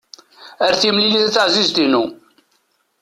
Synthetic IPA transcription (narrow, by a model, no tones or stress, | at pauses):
æɾθimliliθæt͡sːəʕzizt̪inu